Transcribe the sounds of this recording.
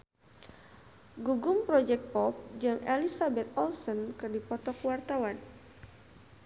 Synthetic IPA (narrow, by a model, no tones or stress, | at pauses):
ɡuɡʊmpɾɔd͡ʒɛk̚t̪̚pɔp̚d͡ʒaŋʔelisabɛt̪̚ɔlsɔnkɨrdipɔt̪ɔkwart̪awan